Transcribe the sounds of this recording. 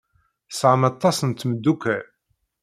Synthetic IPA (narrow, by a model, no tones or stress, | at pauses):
sʕəmɑt̪ˤːɑsənt̪məd̪ːukæ